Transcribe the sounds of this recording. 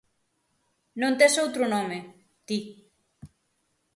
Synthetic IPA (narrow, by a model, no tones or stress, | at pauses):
nõnt̪esowt̪ɾʊnõme | t̪i